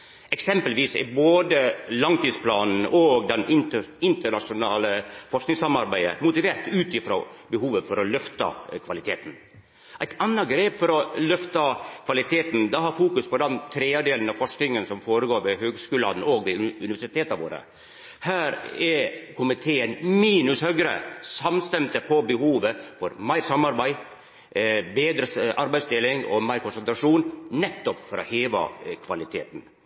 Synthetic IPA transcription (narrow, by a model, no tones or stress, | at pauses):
ʔɛksɛmpəlʋiːsɪ̰boːd̪əlɑŋt̪iːspʰlɑːnn̩oːɡd̪ɛnɪnəɪnt̪əɳɑʂʊnɑːləfɔʂknɪŋsɑmɑɾbæɪə̰mʊt̪ɪʋeːɾt̪ʉːt̪ɪfɾo̰ːbəhuːʋəfɔɾɔlœft̪ɑ̰kʰʋɑlɪt̪ʰeːt̪n̩ | æɪt̪ʰɑnːɑɡɾeːpfɔɾɔlœft̪ɑkʰʋɑlɪt̪ʰeːt̪nd̪ɛhɑɾfuːkʉspɔd̪ɛnt̪ʰɾeːɑd̪eːlən̩ɑfɔʂknɪŋənsɔmfoːɾəɡoːɾʋɛhøːɡskʉːlɑd̪noːɡʋɪʉnɪʋæʂɪt̪ʰeːt̪ɑʋo̰ːɾə̰ | hæːɾɛkʰʊmɪt̪ʰeːənmiːnʉshœɡɾə̰sɑmst̪ɛmt̪əpʰɔbəhuːʋəfɔɾmæɪɾsɑmɑɾbæɪ | beːd̪ɾəʔɑɾbæɪst̪ɪlɪŋɔ̰mæɪɾkʰʊnsənt̪ɾɑʂuːnnɛt̪ːɔpfɔɾɔ̰heːʋɑ̰kʰʋɑlɪt̪ʰḛːt̪n̩